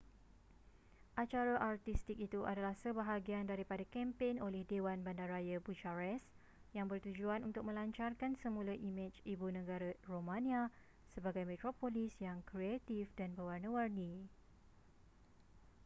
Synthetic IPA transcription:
ʔat͡ʃaɾaʔart̪ist̪ik̚it̪uʔa̰dalahsəbaɦaɡiandaɾipadakɛmpenolɛhdewanbandaɾajabut͡ʃaɾɛs | jaŋbərt̪ud͡ʒuanunt̪ʊk̚mə̃laɲt͡ʃarkansəmũlaʔimɛt͡ʃibunə̃ɡaɾaromãnĩa | səbaɡajmɛ̃t̪ɾopolisjaŋkɾiet̪ifdanbəwarnəwarni

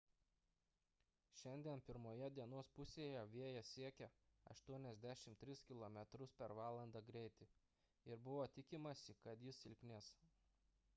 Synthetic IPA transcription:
ʃʲɛnʲd̪ʲiɛnpʲɪɾmoːjɛd̪ʲiɛnoɔspʊsʲeːjɛʋʲiɛjɛsʲiɛkʲɛɐ̰ʃt̪uɔnʲɛzʲd̪ʲæʃʲɪmt̪ʲɾʲɪskʲɪlˠoːmʲɛt̪ɾʊspʲɛɾʋɑːlˠɐnd̪ɑɡɾʲɛɪt̪ʲɪ | ɪɾbʊʋoːt̪ʲɪkʲɪmɐsʲɪkɐt̪jɪsɪlʲkʲnʲeːs

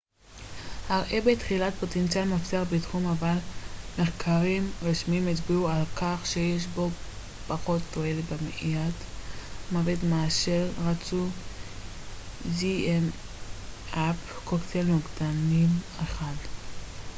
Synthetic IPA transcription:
haʁʔebetχilat̚potentt͡sialmot͡seaʁbetχumavalmeχkʰaʁimʁiʃmimit͡sbiualkaχʃejeʃ̬bo̞ | paχo̞tːoelebemeʔijatmavetmaːʃeʁʁat͡su | ziem | apkoktʰeluɡdanim | eχad

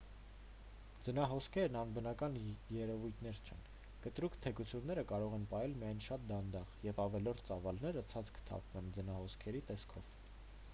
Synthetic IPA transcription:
d͡zənɑɦɔskʰɛɾnɑnbənɑkɑnjɛɾɛvujt̪ʰnɛɾt͡ʃʰɛ̰n | kət̪ɾukʰt̪ʰɛkut͡sʰjunːɛɾəkɑɾɔʁɛnpɑjɛlmijɑjnʃɑt̪̚d̪ɑnd̪ɑʁjɛvɑvɛlɔɾt̪ʰt͡sɑvɑlnɛɾət͡sʰɑt͡skʰə̥t̪ʰɑ̰pʰvɛnd͡zənɑhɔskʰɛɾit̪ɛskʰɔv̥

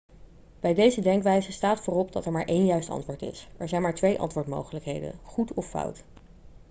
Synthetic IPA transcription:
b̥ɛjdejzədɛŋkʋɛjzəstaːtfʊːrɔp̚dɑtɛɹmaːɹʔejnjœɥstɑ̰ntʋʊːɹtɪ̰sɛɹzɛjnmaːɹtʋejʔɑ̰ntʋʊːɹtmo̰wχələkɦejdə̰nχutɔfːɑ̰wt

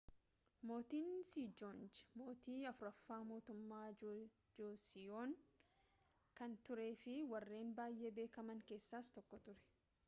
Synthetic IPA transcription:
mo̞ːt̪iːnsiːd͡ʒoːnd͡ʒɪ̥mo̞ːt̪iːɐfʊɾɐfːaːmo̞ːt̪ʊmːaː | d͡ʒoːsɪjoːŋ | kɐnt̪ʊɾe̞ːfɪwɐrːe̞ːnbaːjʔe̞ːbe̞ːkɐmɐŋke̞ːsːaːst̪ɔkːɔt̪ʊɾɛ̥

